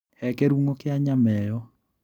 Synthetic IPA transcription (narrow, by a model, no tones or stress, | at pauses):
hɛkeɾuŋokɪaɲamɛjɔ